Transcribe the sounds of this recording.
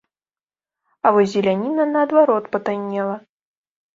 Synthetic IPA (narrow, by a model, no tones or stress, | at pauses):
ɐvɔzʲːɛlʲanʲinɐnɐːd̪vaɾɔt̪pɐt̪anʲːɛlˠɐ